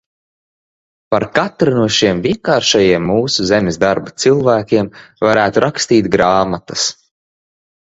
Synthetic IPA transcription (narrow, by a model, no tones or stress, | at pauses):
paɾkat̪ɾanuɔʃiɛmvʲiɛŋkaːɾʃajiɛmːuːsuzemʲɪzd̪aɾbat̪silˠvæːkʲiɛmvaɾæːt̪uɾakst̪iːt̪ɡɾaːmat̪ɐs